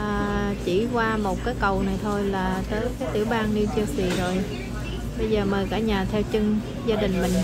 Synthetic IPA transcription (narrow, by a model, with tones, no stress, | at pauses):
əː˨˩t͡ɕi˧˩kwaː˧mo˨˩t̚kaː˨˦jkə˨˩wna˨˩jt̪ʰo˧jlaː˨˩t͡ɕəː˧nkaː˨˦jt̪i˧˩əwɓaː˧nni˧wt͡ɕə˧si˨˩zo˨˩j | ɓə˧jzəː˨˩məː˨˩jkaː˧˩ɲaː˨˩t̪ʰɛ˧wt͡ɕɨ˧ŋ | zaː˧ɗï˨˩ŋ̟mï˨˩ŋ̟